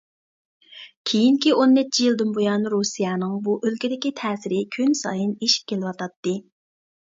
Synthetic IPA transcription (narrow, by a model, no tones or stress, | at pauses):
kʲʰejiŋkʲionːɛt͡ʃʰːijilˠd̪ɨnbojɑnɾusijɑːnɨŋbuʔølkʲid̪ɪkʲit̪ʰɛːsɪɾɪkʲʰynsɑ̰jɨneʃi̥p̚kʲʰelɪwɑt̪ʰɑt̪ːɨ